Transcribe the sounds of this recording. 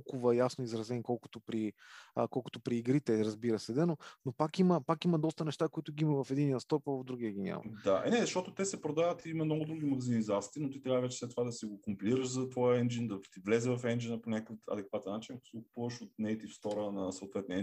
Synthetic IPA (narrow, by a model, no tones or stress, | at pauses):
kʊvəjasnoizɾɐzɛnikɔlˠkʊ̥t̪opɾiəkɔlˠkʊ̥t̪ʊpɾiːɡɾit̪ɛɾəzbiɾəsɛd̪ɛnonopakiməpakimɐd̪ɔst̪ənɛʃt̪akoit̪ʊɡiiməvɐfɛd̪inijəst̪ɔpəvəvd̪ɾuɡ̟iəɡʲinʲa̰mɐ̰d̪aɛ̰nɛzɐʃt̪ɔt̪ʊt̪ɛsɛpɾod̪avət̪iimɐmnɔɡʊd̪ɾuɡʲimɐɡəzinizat̪siinot̪it̪ɾʲavəvɛt͡ʃɛslɛt̪ːovad̪ɐsiɡokʊmpiliɾəʃzɐt̪vɔjəɛnd͡ʒind̪ɐt̪ivlɛzɛvɐfɛnd͡ʒinəponʲakəkt̪ɐ̰d̪ɛkvat̪ɛnːat͡ʃinɐko̥siɡok̚ʊpuvəʃot̪̚nɛjt̪ifst̪ɔɾənɐsɐot̪vɛt̪niɛ